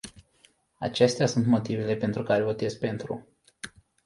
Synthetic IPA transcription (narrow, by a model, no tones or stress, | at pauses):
a̰t͡ʃe̞st̪easunt̪mo̞t̪ivele̞pe̞nt̪ɾukaɾevo̞t̪e̞s̚pe̞nt̪ɾṵ